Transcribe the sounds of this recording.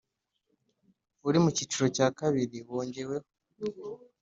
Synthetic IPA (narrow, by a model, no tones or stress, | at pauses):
uɾimucit͡ʃuɾo̞caːkaβiɾiβoːɲɟe̞we̞ho